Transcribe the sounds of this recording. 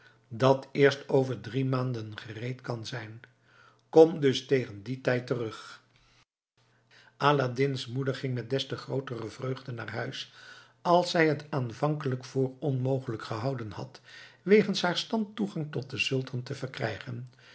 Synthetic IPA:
dɑtɪːɹstowvəɹdrimaːndənχərejtkɑnzɛjn | kɔmdɵstejχənditɛjtərɵχ | ʔaːladɪnsmudəɹχɪŋmɛt̚dɛstəχrowtərəvrøɥχdənaːrɦœɥs | ɑlˠsɛjɦətaːnvɑŋkələkfʊːɹɔnmowχələkχəɦɑwdənhɑ̰tʋejχənsɦaːɹstɑntuχɑŋtɔt̚dəzɵlˠtʰɑntəvərkrɛ̰jχən

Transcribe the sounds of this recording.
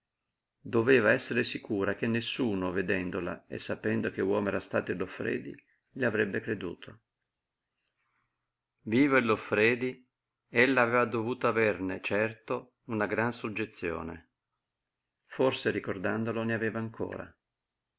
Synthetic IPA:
d̪oveːvaɛsːeɾesikuːɾak̟enːesːuːnoved̪ɛnd̪ola̰ḛsːapɛnd̪ok̟ewɔːmɛːɾast̪a̰ːt̪oilofːɾɛ̰ːd̪ḭ | ʎiavɾɛbːekɾed̪ṵːt̪ʰo | viːvoilofːɾɛːd̪i | elːaːveːvad̪ovuːt̪oavernet͡ʃɛrt̪o | unaɡɾansud͡ʒːet̪sːjo̰ːnḛ | forseɾikord̪and̪oloneavɛːvaːŋkʰo̰ːɾa̰

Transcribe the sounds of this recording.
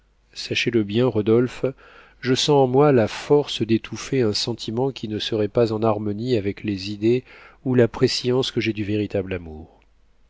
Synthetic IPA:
saʃeləbjɛ̃ʁɔd̪ɔlf | ʒəsɑ̃ːmwalafɔʁsd̪et̪ʰufeɛ̃sɑ̃t̪ʰimɑ̃kʲinəsəʁɛpazɑ̃naʁmɔniavɛklezid̪eulapχesjɑ̃skəʒɛd̪yveʁit̪ablamuːʁ

